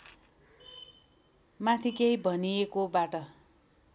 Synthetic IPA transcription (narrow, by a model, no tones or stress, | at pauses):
mat̪ʰikejbʱʌniekobaʈʌ